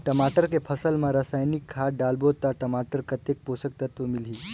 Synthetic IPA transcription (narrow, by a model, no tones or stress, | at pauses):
ʈəmaʈəɾkepʰəsəlmãɾəsaːjnikʰːaɖalbot̪aʈəmaʈəɾkət̪ek̚posək̚t̪ət̪ʋomilɦi